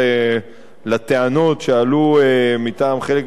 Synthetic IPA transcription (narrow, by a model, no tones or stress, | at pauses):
e | lat̪eanotʃealuemit̪aːmχe̞lek